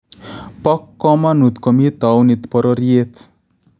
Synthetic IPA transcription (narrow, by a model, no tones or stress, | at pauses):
pɔkːɔmanut̪komit̪ɔwnit̪pɔɾɔɾiet̪